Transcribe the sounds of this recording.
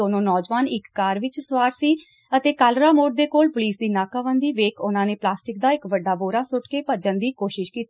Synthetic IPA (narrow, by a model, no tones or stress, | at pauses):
oːnõːnɔːd͡ʒʋaːnɪkːaːɾʋɪt͡ʃsʋaːɾsiː | ət̪eːkaːlɾaːmoːɖd̪eːkoːlpʊliːsd̪iːnaːkaːʋənd̪iːʋeːkʊnãːneːplaːsʈɪk̚d̪aːɪkʋəɖːaːboːɾaːsʊʈkeːpəd͡ʒənd̪iːkoːʃɪʃkiːt̪